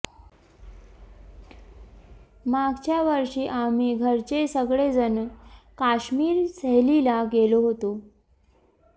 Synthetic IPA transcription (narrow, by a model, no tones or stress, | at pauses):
maɡt͡ɕjaʋəɾʂiːʔamiɡʱəɾt͡ɕesəɡɭed͡zənkaɕmiːɾsəɦlilaɡeloɦot̪o